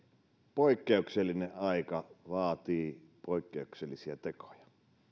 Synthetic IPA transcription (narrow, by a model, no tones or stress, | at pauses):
poikːeukselːineʔʔɑikɑʋɑːt̪iːpoikːeukselːisiæt̪eko̥jɑ̥